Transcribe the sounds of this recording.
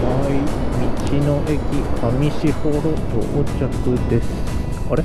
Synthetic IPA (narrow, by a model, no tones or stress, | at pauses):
aimʲit͡ɕinoʔekʲihamʲiɕihoɾot͡ɕo̰ʔt͡ɕakɯ̟d̪e̞sɨ̥ | koɾe